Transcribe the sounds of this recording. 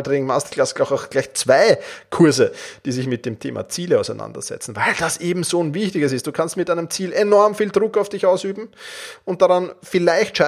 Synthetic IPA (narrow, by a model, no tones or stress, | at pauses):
dʁɪŋ̩mastlasɡaxaʊxɡ̥læɪçt͡sv̥aɪkʰʊɐzəd̥iːzɪçmɪt̚d̥eːmtʰḛːmʔa̰t͡siːləaʊsæɪnã̰ndɐ̰z̥ɛ̰t͡sn̩vaɪld̥asʔeːbm̩zoːnvɪçtɪɡəsɪstd̥uːkʰanstmɪtæɪnəmt͡siːlenɔɐmfiːldʁʊkaʊfd̥ɪçaʊsyːbm̩ʊnt̚d̥aʁanfɪlaɪçtʃa